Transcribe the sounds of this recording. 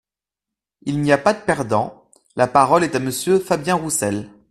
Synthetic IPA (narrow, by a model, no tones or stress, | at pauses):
ilniapad̪əpɛʁd̪ɑ̃ | lapaʁɔlɛt̪aməsjøfabjɛ̃ʁusɛl